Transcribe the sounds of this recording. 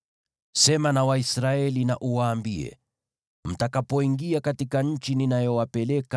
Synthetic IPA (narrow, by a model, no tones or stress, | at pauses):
sɛmanawaisɾaɛlinaʔuwaːmbiɛ̰ | m̩takapɔiŋɡiakatikaɲ̩t͡ʃininajɔwapɛlɛka